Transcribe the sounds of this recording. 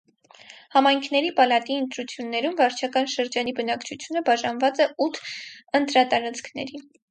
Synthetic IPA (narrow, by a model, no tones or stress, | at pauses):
hɑmɑjŋkʰn̪ɛɾipɑlɑt̪iənt̪ɾut͡sʰjunːɛɾumvɑɾt͡ʃʰɑkɑnʃəɾd͡ʒɑnibənɑkt͡ʃʰut͡sʰjunəbɑʒɑnvɑt͡sɛut̪ʰənt̪ɾɑt̪ɑɾɑt͡skʰnɛ̰ɾi